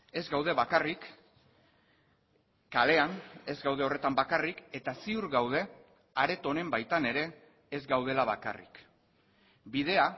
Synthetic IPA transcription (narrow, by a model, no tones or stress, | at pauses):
e̞zɡawð̞e̞βakarik | ale̞ane̞zɡawð̞e̞ore̞t̪ambakarike̞t̪asiuɾɣawð̞e̞ | aɾe̞t̪o̞ne̞mbajt̪ane̞ɾe̞ː | zɡawð̞e̞laβ̞aka̰rḭk | bið̞e̞a